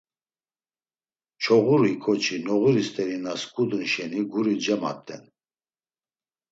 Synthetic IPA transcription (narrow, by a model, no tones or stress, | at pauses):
t͡ʃʰɔʁuɾikʰɔt͡ʃʰinɔʁuɾist̪ʼɛɾinaskʼud̪nʃɛniɡuɾid͡ʒɛma̰t̪ʼːɛ̰n